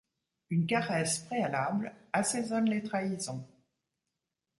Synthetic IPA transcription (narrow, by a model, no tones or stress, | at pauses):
ynkaʁɛspχealablasezɔnlet̪χaizɔ̃